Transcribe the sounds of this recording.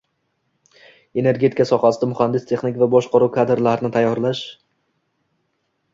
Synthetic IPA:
e̞ne̞ɾɡʲe̞t̪ʰɪkʰasɒχasɪd̪amʊχand̪ɪst̪ʰe̞χnɪkʲvabɒʃqʰɑɾuwkʰad̪ɾlaɾɪnɪt̪ʰajːɒɾlaʃ

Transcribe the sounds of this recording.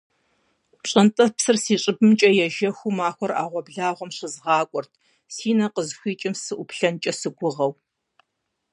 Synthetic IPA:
ɕʼɐntʼɐpsɨrsiːɕʼɪbɨmt͡ʃʼɐjɛʒɐxʷumaːxʷɔra̰ːʁʷɔbɮaːʁʷɔmɕɪzʁɑːkʷʼɔrtʰ | siːnɐqəzxʷiːt͡ʃʼɪmsɨʔʷʊpɬɐnt͡ʃʼɐsɨɡʷʊʁɐw

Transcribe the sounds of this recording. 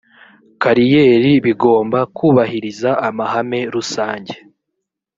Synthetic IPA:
kaɾijeːɾiβiɡo̞ːmbakuːβahiɾizaamaɦame̞ɾusaːɲɟe̞

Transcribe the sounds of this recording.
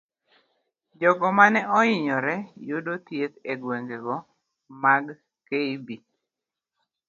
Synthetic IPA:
d͡ʒɔɡɔmanɛʔɔɪɲɔɾɛjodot̪jet̪eɡweŋɡeɡɔ | maɡ | keibi

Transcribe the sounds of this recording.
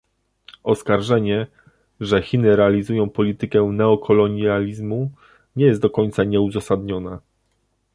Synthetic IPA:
ɔskaɾʐɛɲɛ | ʐɛxʲinɘɾɛalʲizujɔ̃w̃pɔlʲit̪ɘkɛnɛɔkʰɔlɔɲalʲizmu | ɲɛjɛst̪d̪ɔkɔɲʲt̪saɲɛuzasad̪ɲɔna

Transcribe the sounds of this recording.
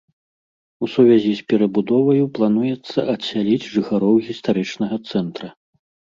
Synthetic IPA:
usuvʲazʲisʲpʲɛɾɐbud̪ɔvɐjuplˠanujɛt̪sːɐ̰ʔɐsʲːalʲid͡zʲʐɨxaɾɔwɣʲist̪aɾɨt͡ʂnɐɣɐt̪sɛnt̪ɾɐ

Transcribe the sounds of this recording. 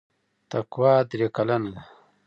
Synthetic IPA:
t̪ɐkwaːd̪ɾekɐlɐnd̪a

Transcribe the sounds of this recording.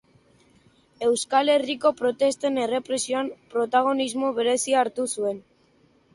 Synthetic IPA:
e̞wskale̞riko̞pɾo̞t̪e̞st̪enere̞pɾe̞sioampɾo̞t̪aɣ̞o̞nizmo̞βe̞ɾe̞siaːɾt̪usue̞n

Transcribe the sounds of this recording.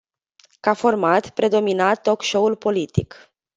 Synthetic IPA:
kafo̞rmat̪pɾe̞d̪o̞minat̪ːo̞kʃo̞ulpo̞lit̪ḭk

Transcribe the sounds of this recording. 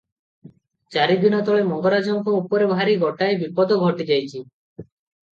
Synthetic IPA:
t͡ʃaɾibʱinɔt̪ɔɭemɔŋɡɔɾad͡ʒɔŋkɔupɔɾebʱaɾiɡɔʈaebipɔd̪ɔɡʱɔʈid͡ʒajt͡ʃʰi

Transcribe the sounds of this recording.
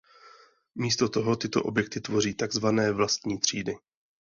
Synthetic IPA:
miːst̪o̞t̪o̞ɦo̞t̪ɪt̪o̞̰ʔo̞̰bjɛk̚t̪ɪt̪vo̞riːt̪aɡzvanɛːvlast̪ɲiːt̪r̝̥ḭːdɪ

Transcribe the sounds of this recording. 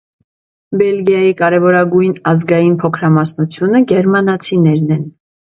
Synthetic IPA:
bɛlɡjɑjikɑɾɛvɔɾɑɡujnɑzɡɑjinpʰɔkʰɾɑmɑsnut͡sʰjunəɡɛɾmɑnɑt͡sʰinɛɾnɛn

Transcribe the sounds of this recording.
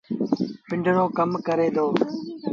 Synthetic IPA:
pɪ̃ɳɖʱəɽoːkəmkəɾeːd̪ʱoː

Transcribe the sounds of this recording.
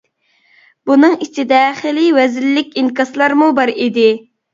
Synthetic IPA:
bunɨŋit͡ʃʰid̪ɛχɪlɪwɛzɪlːɪkʲinkɑslˠɑɾmubɑɾid̪ɪ

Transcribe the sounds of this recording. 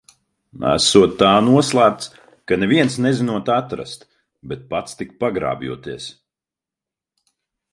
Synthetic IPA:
æ̰suɔt̪ːaːnuɔslˠaːɾ̚t̪s | kanɛvʲiɛnsnɛzinuɔt̪at̪ɾa̰st̪ | bɛt̪̚pat̪st̪ik̚paɡɾa̰ːbjṵɔt̪iɛs

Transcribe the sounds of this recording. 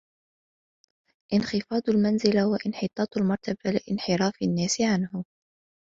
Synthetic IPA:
ʔɪnxɪfɑːd̪ˤalmanzɪlawaʔɪnħɪt̪ˤɑːt̪ˤalmɑɾˤt̪abalɪʔɪnħɪɾɑːfanːaːsɪʕanhʊ

